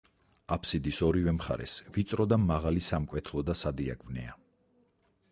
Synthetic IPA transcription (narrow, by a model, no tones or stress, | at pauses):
apʰsid̪isɔɾivɛmχa̰ɾɛ̰svit̪sʼɾɔd̪amaʁalisamkʼwɛt̪ʰlˠɔd̪asad̪ia̰ɡʰʼvnɛ̰a